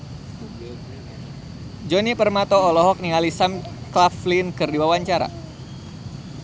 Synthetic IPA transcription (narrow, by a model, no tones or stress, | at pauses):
d͡ʒɔnipərmat̪ɔːlɔɦɔk̚nialisamklaflinkɨrdiwawaɲt͡ʃaɾa̰